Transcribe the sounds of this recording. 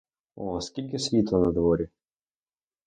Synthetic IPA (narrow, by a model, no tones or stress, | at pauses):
ɔskʲilʲkʲesʲʋʲit̪lˠanɐd̪vɔɾʲi